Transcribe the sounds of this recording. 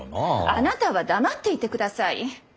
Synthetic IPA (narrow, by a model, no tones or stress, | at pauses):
anat̪aβad̪amat̪ːe̞it̪e̞kɯ̟d̪asaḭ